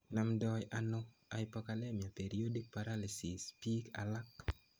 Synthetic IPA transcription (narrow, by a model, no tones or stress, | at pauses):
namdɔjʔano | ajpɔkalɛmjapeɾiodik̚paɾalisispika̰lak